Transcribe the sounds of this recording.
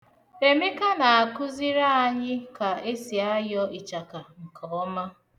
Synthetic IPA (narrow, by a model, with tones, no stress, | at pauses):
e˨me˦ka˦na˨a˨kʊ˦zi˦ɾa˦a˨ɲɪ˦ka˨e˦si˨a˦jɔ˦i˨t͡ʃa˨ka˨ŋ̩˨kʰɔ˨ɔ˦ma˦